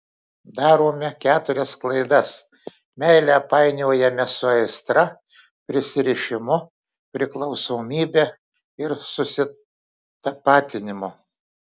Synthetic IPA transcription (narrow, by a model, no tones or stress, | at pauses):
d̪ɑːɾoːmʲɛkʲæːt̪ʊɾʲɛsklˠɐɪd̪ɐs | mʲɛɪlʲɛpɑɪnʲoːjɛmʲɛsʊɐɪst̪ɾɐ | pʲɾʲɪsʲɪɾʲɪʃʲɪmʊ | pʲɾʲɪklˠɒʊsoːmʲiːbʲɛ | ɪɾsʊsʲɪ | t̪ɐpɑːt̪ʲɪnʲɪmʊ